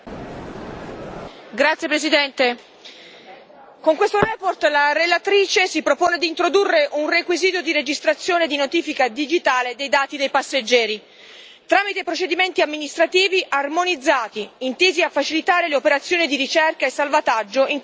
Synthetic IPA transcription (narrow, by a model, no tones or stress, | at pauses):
ɡɾat̪sjepɾesid̪ɛnt̪e | koŋkwest̪oɾɛːport̪laɾelat̪ɾiːt͡ʃesipɾopoːned̪iːnt̪ɾod̪urːeʔunrekwiziːt̪od̪iɾed͡ʒist̪ɾat̪sːjoːned̪inot̪iːfikad̪id͡ʒit̪aːled̪ejd̪aːt̪id̪ejpasːed͡ʒːɛːɾi | t̪ɾaːmit̪epɾot͡ʃed̪iment̪iamːinist̪ɾat̪iːviʔarmonid̪zːaːt̪iːnt̪iːziafːat͡ʃilit̪aːɾeleopeɾat̪sːjoːnid̪iɾit͡ʃɛrkaesːalvat̪ad͡ʒːoiŋ